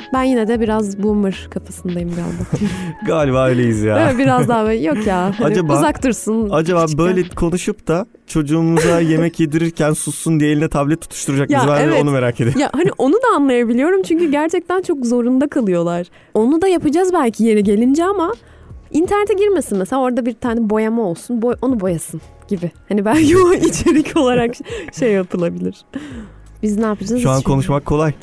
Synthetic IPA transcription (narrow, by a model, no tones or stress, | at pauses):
bænjinɛd̪ɛbiɾazbumɯɾ̥kʰafasɯnd̪ajɯmɡa̰ːlʲbaɡaːlʲibaːøjlʲejizjaːbiɾazd̪aːɛjo̞kjaːhɦaand͡ʒabauzakt̪ʰɯɾsɯnad͡ʒabaːbø̞jlʲɛkʰo̞nuʃup̚t̪a | t͡ʃʰo̞d͡ʒuːmuzaje̞mɛcjed̪iɾiɾcʰænsusːund̪ijelʲinɛt̪ʰablʲɛt̪ːʰu̥t̪ʰu̥ʃt̪ʰuɾad͡ʒak̚jibæonume̞ɾaːcʰe̞d̪imjahaniʔo̞nud̪aːnlˠajabilʲijo̞ɾumt͡ʃʰyɲcyɟæɾt͡ʃʰɛc̚t̪ʰænt͡ʃʰo̞kzo̞ɾund̪akʰalˠɯjo̞lˠaɾ̥ | o̞nud̪ajapɯd͡ʒazbælʲcʰije̞ɾiɟe̞lʲind͡ʒɛama | int̪ʰæɾnet̪ʰɛɟiɾme̞sinmɛselʲao̞ɾad̪abiɾt̪ʰaːnɛbo̞jamao̞lˠsunboʔo̞nubo̞jasɯn | ɟ̥ibɪhanibælʲcʰioit͡ʃʰe̞ɾicʰo̞lˠaɾakʃejːapʰɯlˠabilʲiɾ̥ | biznaːpʰad͡ʒaʃuankʰo̞nuʃmakʰːo̞lˠaj